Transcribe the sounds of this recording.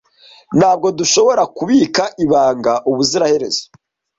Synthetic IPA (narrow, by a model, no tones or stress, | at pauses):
n̥haːb̚ɡo̞duʃo̞βo̞ɾakuβiːkaʔiβaːŋɡaʔuβuziɾahe̞ɾe̞̰zo̥